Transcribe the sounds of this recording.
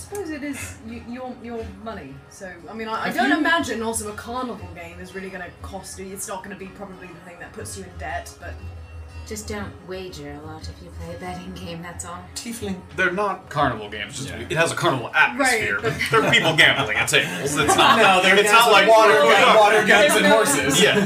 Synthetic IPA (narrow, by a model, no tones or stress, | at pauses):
aɪsə̥poʊzɪɾɪzjɨjə˞jə˞mʌni | soʊaɪmĩnaɪʔaɪdõʊ̃ntɪmæd͡ʒɨ̃nɔlˠsoʊəkʰɑɹnəvl̩ˠɡẽɪ̃mɨzɹɪlˠiɡʌnɨkʰɔstɨɨtsnət̚ɡ̥ʌnəbipʰɹ̥ɑbəbliðɨθɪ̃ŋðɨt̚pʰʊtsjɨɨ̃ndɛt̚b̥ʌt̚d̥ʒ̥ʌsd̥õʊ̃ntweɪd͡ʒə˞əlɔɾʌv̥ʰipʰl̩ˠəbɛɾɪ̃ŋɡẽɪ̃mðætsɔtʰiflĩðə˞nət̚kʰɑɹnəvl̩ˠɡẽɪ̃mzd͡ʒʌstɨt̚həzəkʰɑɹnəbl̩ˠæk̚ɹaɪthḭɹbʌðə˞pipl̩ˠɡẽɪ̃mˠɪ̃ŋɨtsɪsoʊɨtsnətnaʊðə˞ɨtsnətlaɪkwə˞wɔɾə˞ɡẽɪ̃mzɨ̃nɔɹsɪzjæ